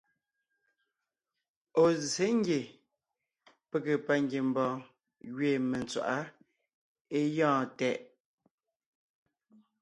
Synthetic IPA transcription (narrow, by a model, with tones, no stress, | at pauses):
o˨ze˦ŋ˦ɡje˨ | pe˦˨ke˨pa˨ŋɡje˨m̩˨bɔ̃ː˨ | ɣɥe˨me˨nt͡swa̰˨ʔa˦ | e˦jɔ̃ː˦˨tɛ˦˨ʔ